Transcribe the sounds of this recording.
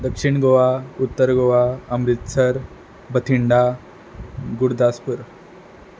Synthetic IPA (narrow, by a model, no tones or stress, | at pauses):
d̪əkʂiɳɡoʋaut̪ːəɾɡoʋaəmɾit̪səɾ | bət̪ʰiɳɖa | ɡuɽd̪aspuɾ